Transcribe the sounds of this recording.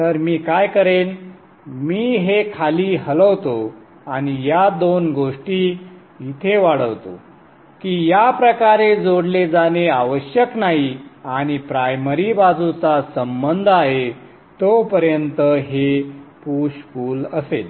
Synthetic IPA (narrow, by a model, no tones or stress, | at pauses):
t̪əɾmiːkajkəɾen | miːɦekʰaliːɦələʋt̪o | aɽ̃ijad̪onɡoʂʈiː | it̪ʰeʋaɽ̤əʋt̪o̰ | kiːjapɾəkaɾed͡zoɽled͡zaneaʋəɕjəknaɦiaɽ̃ipɾajməɾibad͡zut͡sasəmbənd̪ʱaɦe | t̪opəɾjənt̪əɦepuɕkuːləsel